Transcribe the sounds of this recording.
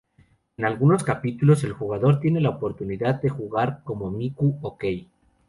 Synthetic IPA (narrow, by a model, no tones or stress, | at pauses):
e̞nalɣuno̞skapit̪ulo̞se̞lxuɣaðo̞ɾt̪je̞ne̞laopo̞ɾt̪uniðaðd̪e̞xuɣaɾko̞mo̞mikuoke̞j